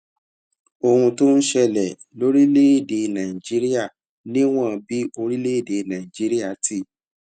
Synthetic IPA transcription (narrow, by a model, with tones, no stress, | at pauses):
o˧˨hũ˧to˦n̩˦ʃɛ˧lɛ˨ | lo˦ɾi˦le˦e˦˨de˧nã˨ĩ˨d͡ʒi˦ɾi˦a˦˨ | nĩ˦w̃ɔ̃˦˧bi˦o˧ɾi˦le˦i˦˨de˨nã˨ĩ˨d͡ʒi˦ɾi˦a˦˨tʰi˦˨